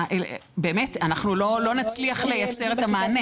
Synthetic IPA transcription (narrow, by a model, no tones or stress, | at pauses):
ʔelbe̞ːmetanaχnulo̞lo̞nat͡sliaχle̞jat͡se̞ʁetamaːne